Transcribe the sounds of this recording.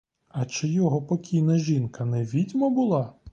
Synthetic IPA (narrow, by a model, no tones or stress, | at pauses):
ɐt͡ʃɪjɔɦɔpɔkʲʰijnɐʒʲinkɐnɛʋʲidʲmɐbʊlˠɑ